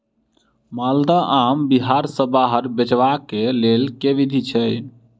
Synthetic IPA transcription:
mald̪aʔambiɦaɾsəbaɦəɾbet͡ʃʋakelelkeʋid̪ʱit͡ʃʰɛj

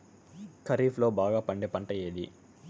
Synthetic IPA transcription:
kʰɐɾiːpʰlo̞ːbaːɡaːpɐɳɖepɐɳʈɐjeːd̪ḭ

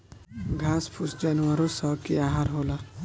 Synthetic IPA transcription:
ɡʱaːspʰusd͡ʒanwaɾosɔkiaɦaɾɦoːla

